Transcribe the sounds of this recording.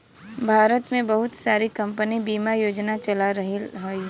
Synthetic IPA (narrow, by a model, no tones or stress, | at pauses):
bʱaːɾət̪mẽbɐɦʊt̪saːɾikɐ̃mpənibiːmajoːd͡ʒnat͡ʃɐlaɾɐɦiɦai